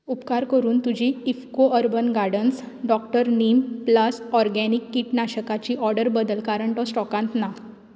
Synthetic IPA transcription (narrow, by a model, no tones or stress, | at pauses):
upkaɾkəɾuːnt̪ud͡ʑʱiːfkoʔəɾbənɡaɾɽəns | ɖɔk̚ʈəɾnimpləsɔɾɡɛnikːiʈnaɕəkat͡ɕiːʔɔɾɖəɾbəd̪əlkaɾəɳʈɔsʈɔkãnt̪na